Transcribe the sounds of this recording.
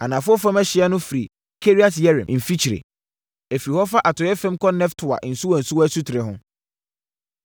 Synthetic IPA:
a˨nã˨fʊ˦ɔ˦fɾã˦mɛ˦ɕɪ˦a˦nʊ̃˦fɾi˨ | kʰe˦ɾi˦a˦tjɛ˦ɾɛ̰̃˨m˨m̩˨fi˦t͡ɕʰi˨ɾḛ˨ | e˨fiɾi˨hɔ˦fa˦ʔa˨tʊ˨jɛ˦fɛ̃˦mkɔ˦nɛ̃˦ftʰʊ˨a̰˨ʔn̩˨su˦wɔ˨n̩˨su˦wɔ˦ɛ˦su˦tʰɪ˨ɾɪ˨ɦʊ̃˦

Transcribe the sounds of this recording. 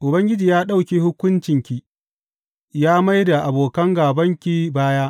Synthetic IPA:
ʔʊ˨bɐ˦ŋɡʲɪ˦d͡ʒiː˨jaː˦ɗa˦wkʲiː˦hʊ˦kʷʊ˦nt͡ʃɪ˨ŋkʲi˨ | jaː˦ma˦jda˨ʔa˨boː˨kɐ˦ŋɡaː˨bɐ˦ŋkʲi˨baː˦jaː˦ʔ

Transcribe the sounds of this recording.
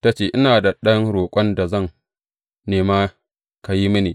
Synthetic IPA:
ta˦t͡ʃeː˦ʔɪ˦naː˨da˨ɗɐ˦ŋɽoː˨kʷʼɔ˦nda˨zɐ˦˨ŋ | neː˨maː˦ | ka˨ji˦mɪ˦niː˨

